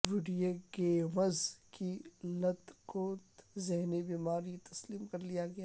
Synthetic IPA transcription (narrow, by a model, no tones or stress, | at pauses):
ʋɪɖijeɡeːʋɐzkilɐt̪koːt̪zɛɦnibiːmaːɾjit̪ɐsliːmkɐɾlijaɡɐjaː